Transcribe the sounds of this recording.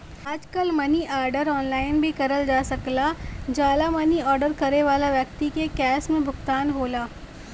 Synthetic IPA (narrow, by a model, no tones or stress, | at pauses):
aːd͡ʒkəlmɐniʔaːɾɖəɾɔːnlaːɪnbʱikɐɾəld͡ʒaːsɐklad͡ʒaːlamɐniɔːɾɖəɾkɐɾeʋaːlaʋjɐkt̪ikekɛːsmẽbʱʊɡt̪aːnɦoːlaː